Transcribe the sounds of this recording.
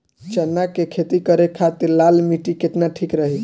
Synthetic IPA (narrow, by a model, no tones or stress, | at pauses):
t͡ʃənːakekʰet̪ikəɾekʰat̪iɾlalmiʈikeʈnaʈʰikɾəɦi